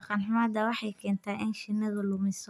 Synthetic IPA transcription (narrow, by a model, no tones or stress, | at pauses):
qɑnħʊmaːd̪ɐwɑħɑjkʰɛːnt̪ʰaːʔɪnʃɪnːɐðʊlʊmɪs